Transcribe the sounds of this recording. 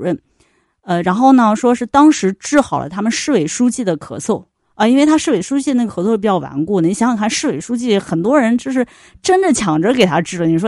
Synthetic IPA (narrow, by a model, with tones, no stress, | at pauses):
ə˥˩n | ə˧ɻa˧˥nxo˥˩ʊnə˩ʂwɔ˥ʂɻ̩˥˩t̪ɑ˥ŋʂɻ̩˧˥ʈ͡ʂɻ̩˥˩xɑ˨˩ʊlʔə̰˦t̪ʰa˥mə˨nʂɻ̩˥˩we˧˩ɪʂu˥t͡ɕi˥˩d̪ə˩kʰɤ̰˨˩t͡sʰɔ˥˩ | ə˧i˥nwe˥˩ɪt̪ʰa˥ʂɻ̩˥˩we˧˩ɪʂu˥t͡ɕi˥˩dən˥˩ə˩ɤ˧˥t͡sʰwpi˨˩t͡ɕjɑ˥˩ʊwa̰˧˥nku˥˩n˩ni˧˥˩ɕjɑ˧˥ŋi˨˩kʰa˥˩nʂɻ̩˥˩we˨˩ɪʂu˥t͡ɕi˥˩xə˨˩nt̪̬wɔ˥ɻə˧˥nt͡ɕjo˥˧ʊʂ̬ɻ̩˥˩ | ʈ͡ʂə˥ndə˨t͡ɕʰjɑ˨˩ŋʈ͡ʂə˧˥ke˨˩ɪt̪ʰa˥ʈ͡ʂɻ̩˥˩ə˨˩ni˧˩ʂwɔ˥